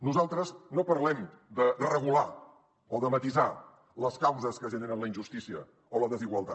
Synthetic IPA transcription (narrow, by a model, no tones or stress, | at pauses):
nuzalˠt̪ɾəznopəɾlɛm | d̪əd̪ərəɣula | oðəmət̪iza | ləskawzəskəʒənenənləinʒust̪isiə | oləðəziɣwəlˠt̪a